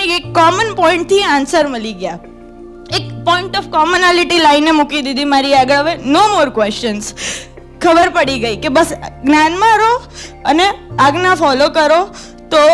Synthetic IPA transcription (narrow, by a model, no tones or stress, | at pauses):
neekːɔmənpɔɪ̃ɳʈ̚t̪ʰiãnsəɾməliɡja | ekpɔɪɳʈɔfkɔmonaliʈilainːemukid̪id̪imaɾiaɡəɭəʋenomoɾkʋɛst͡ʃəns | kʰəbəɾpəɽiɡəikebəsɡnjanmãɾoəneaɡnafɔlokəɾo | t̪o